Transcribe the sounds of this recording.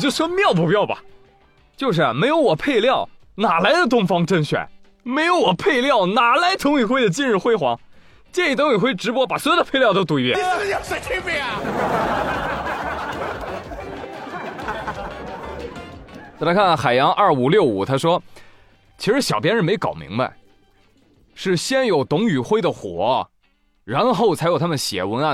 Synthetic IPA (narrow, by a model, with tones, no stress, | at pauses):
t͡ɕjo˥˩ʊʂmjɑ˥˧ʊpu˨˧˩pjɑ˥˩ʊbɐ̰˨˩ | t͡ɕjo˥˧ʊʂ̬ɻ̩˥˩me˧˥ɪjo˧˥ʊwɔ˨˩pʰe˥˧ɪljɑ˥˩ʊ | na˨˩la˧˥ɪd̪ə˨t̪ʊ˥ŋfɑ˥ŋʈ͡ʂə˥˩ŋɕɥɛ̰˨˩˦n | me˧˥ɪjo˧˥ʊwɔ˨˩pʰe˥˧ɪljɑ˥˩ʊna˨˩la˧˥ɪt̪ʰɤ˧˥ŋy˨˩xwe˥˩ɪd̪ə˩t͡ɕi˥˧nɻ̩˥˧xwe˥˧ɪxwɑ̰˧˥ŋ | t͡ɕjɛ˥˩ni˥˩t̪ʰɤ˧˥ŋy˨˩xwe˥˩ʈ͡ʂɻ̩˧˥pwɔ˥pa˨˩swɔ˧˥jd̪ə˦pʰe˥˧ɪljɑ˥˧ʊt̪o˥ʊt̪u˧˩i˥˩jɛ̰˧jsa˧ɪt̪ʰe˥pe˥˩˨ | t͡slɪkʰa˥˩nxa˨˩ɪjɑ˧˥ŋʔɐ˞˥˩u˨˩ljo˥˩ʊu˨˩t̪ʰa˥ʂwɔ˥ | t͡ɕʰi˧˥ʂɻ̩˧˥ɕjɑ˨˩ʊpjɛ˥nʂɻ̩˧˥˧me˧˥ɪkɑ˨˩ʊmḭ˧˥ŋba̰˧ɪ | ʂɻ̩˥˩ɕjɛ˥njo˨˩ʊt̪ʊ˧˥ŋy˨˩xwe˥˩ɪd̪ə˨xwɔ̰˨˩˦ | ɻa˧˥nxo˥˩ʊt͡sʰa˧˥ɪo˨˩ʊt̪ʰa˥mə˨˩nɕjɛ̰˨˩wə˧˥nɐ˨